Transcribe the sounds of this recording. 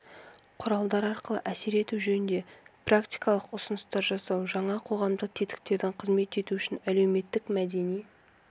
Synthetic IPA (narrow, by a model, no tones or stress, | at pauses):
qʰʊɾɑlˠd̪ɑɾɑɾqəlˠə̰ʔæse̞ɾe̞t̪uʒɵnɪnd̪e̞prakt̪ijkɑlˠəqʊsənəst̪ɑɾʒɑsɑwʒɑɴɑqʰo̞ʁɑmd̪əq̚t̪ʰe̞t̪ɪ̥k̚t̪e̞ɾd̪ɪɴqʰəzme̞t̪e̞t̪uʏʃɪnæle̞wme̞t̪ːɪkmæd̪e̞nij